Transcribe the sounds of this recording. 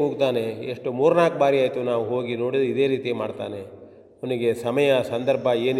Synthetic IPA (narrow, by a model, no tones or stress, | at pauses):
uːɡt̪aːne̞eʂʈumuːɾnaːkbaːɾiaːjt̪unaːʋuɦo̞ːɡino̞ːɽid̪id̪e̞ːɾiːt̪imaːɖt̪a̰ːne̞ | ʋniɡe̞sɐmɐjɐsɐnd̪ɐɾbʱɐeːn